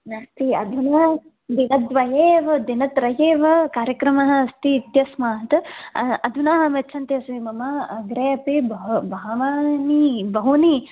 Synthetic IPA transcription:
nɐst̪iɐd̪ʱunɐː | d̪inɐt̪ʋɐjeːʋɐd̪inɐt̪ɾɐjeːʋɐkaːɾjɐkɾɐmɐɦɐ̆ɐst̪iːt̪jɐsmaːɦt̪ɐɐd̪ʱunaːɦɐʋet͡ʃʰɐnt̪eɐsʋimɐmɐɐɡɾeːɐpibɐbɐɦɐʋaːnibɐɦuni

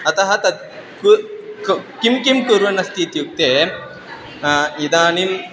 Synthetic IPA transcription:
ɐt̪ɐɦɐt̪ɐ | ku | kimkimkuɾʋɐnɐst̪iːt̪juk̚t̪eː | jid̪aːnim

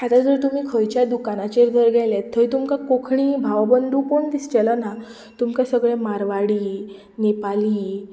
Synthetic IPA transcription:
at̪ad͡zəɾt̪um̤iːkʰəjt͡ɕjad̪ukanat͡ɕeɾd̪ʱəɾɡʱajlet̪ʰːəjt̪umkakokʰɳ̃iːbʱaʋabənd̪uːkoɳd̪ist͡ɕɛlana | t̪umkasəɡɭẽmaɾʋaɽiː | nepaliː

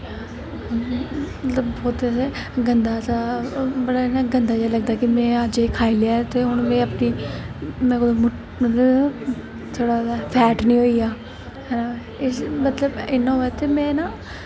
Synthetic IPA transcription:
ət̪ləbbɔːt̪se | ɡənd̪aːsabəɽaːnaɡənd̪aːd͡ʒaːləɡ̚d̪aːkɪmɛ̃ːad͡ʒekʰaːilejaːɛt̪eːɦʊɳmɛ̃ːəpniːmɛ̃ːkod̪omʊ | mət̪ləb | t̪ʰoːɽaːdapʰɛːʈnĩːɦoːiːaː | ɦɛːna | ɪsmət̪ləbɪnːãːɦoːaːt̪eːmɛ̃ːnaː

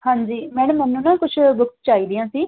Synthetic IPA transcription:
hãːɲd͡ʒiːmɛːɽ̃əmːɛːnːũːnãːkʊt͡ʃʰbʊkt̪t͡ʃaːiːd̪ɪjãːsiː

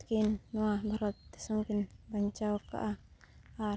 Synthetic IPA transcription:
kinːuabaɾɔt̪̚ːɛ̥saŋkinbaɲt͡ʃaɔka̰ʔa | a

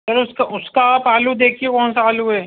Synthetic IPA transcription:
sɐɾʊskaʔʊskaːpaːlud̪eːkʰiekɔːnsaaːluɦɛː

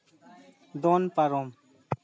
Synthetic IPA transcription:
d̪ɔnpaɾom

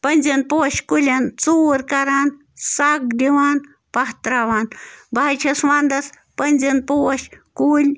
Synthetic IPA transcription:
pɐnʲzinpuɐʃʲkulʲɐnt͡suːɾkɐɾaːn | sak̚d̪iʋaːn | pɐht̪ɾaʋaːnbajt͡ʃʰɐswaːnd̪ɐs | pənʲd͡ʒinpuwɐʃkuːlʲ

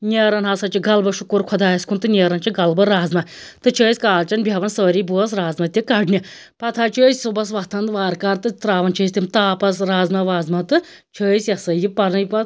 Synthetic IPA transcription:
nʲeɾɐnɦɐsɐt͡ʃiɡɐlbɐʃukuɾkʰɔd̪aːjɐsʲkunt̪ɨnʲeːɾɐnt͡ʃiɡɐlbɐɾaːzmɐt̪ɨt͡ʃʰəːisʲkaːlt͡ʃɐnbʱʲjɐʋɐnsəːɾiːbuɐs̬ɾaːzmɐt̪ʲikɐɖnʲi | pɐt̪ʰaːt͡ʃʰəːjsʲsubɐs̬ʋɐt̪ʰɐnd̪ʋaːɾkaːɾt̪ɨt̪ɾaːʋɐnt͡ʃʰəːsʲt̪ʲimt̪aːpɐsɾaːzmɐʋaːzmɐt̪ɨ | t͡ʃʰəːisʲjɐsɐjipɐɾnɨjpɐ

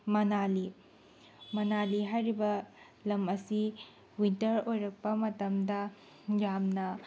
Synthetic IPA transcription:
mɐnali | mɐnaliɦajɾibɐ | lɐmɐsi | wintɐɾojɾɐk̚pɐmɐtɐmdɐ | jamnɐ

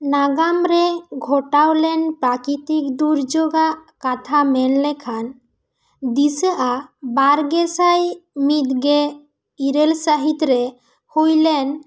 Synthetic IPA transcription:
naɡamɾɛɡʱɔʈawlɛnpɾakit̪ikd̪uɾd͡ʒoɡaʔkat̪ʰamɛnlɛkʰan | d̪isəʔabaɾɡɛsajmit̪ɡɛ | iɾɛlsaɦit̪ɾɛ | hujlɛn

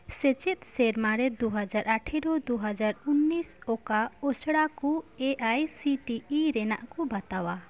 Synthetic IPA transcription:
set͡ʃɛt̪̚ˀsɛɾmaɾɛd̪uɦad͡ʒaɾʔaʈʰɛɾɔd̪uɦad͡ʒaɾunːisɔkaɔsɽakueʔajsiʈiiɾɛna̰ʔkubat̪awa

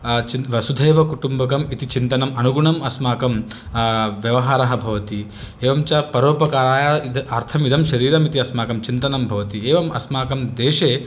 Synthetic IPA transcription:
t͡ʃiʋɐsud̪ʱeːʋɐkuʈumbɐkɐmit̪it͡ʃint̪ɐnɐmɐnuɡuɳɐmɐsmaːkɐm | ʋjɐʋɐɦaːɾɐɦɐ̆bʱɐʋɐt̪i | eːʋɐmt͡ʃaːpɐɾoːpɐkaːɾaːjaiɐɾt̪ʰɐmid̪ʱɐmʃɐɾiːɾɐmit̪iɐsmaːkɐmt͡ʃint̪ɐnɐmbʱɐʋɐt̪ieːʋɐmɐsmaːkɐmd̪eːʃeː

